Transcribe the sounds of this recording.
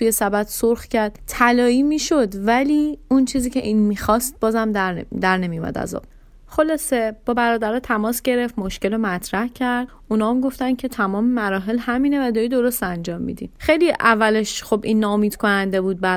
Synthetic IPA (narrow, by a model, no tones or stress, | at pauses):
t̪ʰujesæbæt̪soɾxcʰæɾd̪̥t̪ʰælɒːiːmiːʃod̪væliːunt͡ʃʰiːziːcʰe̞ʔiːnmiːxɒːst̪̚bɒːzæmd̪æd̪æɾne̞mijumæ̰d̪æ̰zɒ̰ | χo̞lɒːse̞b̥ɒːbæɾɒːd̪æɾɒːt̪ʰæmɒːsɟe̞ɾe̞ft̪moʃce̞lomæt̪ʰɾæhcʰæɾd̪ | unɒːmɡo̞ft̪ænd̪cʰe̞t̪ʰæmɒːmemæɾɒːɦe̞lhæmiːne̞væd̪ɒːɾid̪o̞ɾost̪ænd͡ʒɒːmːḭd̪ḭxejliʔævːæleʃχo̞binːɒomiːd̪̥kʰonænd̪e̞buːd̪̚bæ